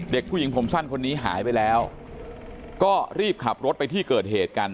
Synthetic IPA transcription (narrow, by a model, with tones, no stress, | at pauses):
de˨˩k̚pʰu˥˩ji˩˦ŋpʰo˩˦msa˥˩nkʰo˧nːiː˦˥ɦa̰ː˩˦jpa˧jlɛː˦˥w | kɔː˥˩ɾiː˥˩p̚kʰa˨˩p̚ɾo˦˥t̪̚pa˧jt̪ʰiː˥˩kɤː˨˩t̪̚heː˨˩t̪̚ka˧n